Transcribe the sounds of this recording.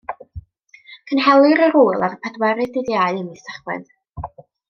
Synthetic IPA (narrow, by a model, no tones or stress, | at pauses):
kʰənhɛlˠɨɾəɾuːlˠaɾpʰɛdwɛɾɨdɪðjaɨəmistaχwɛ̰n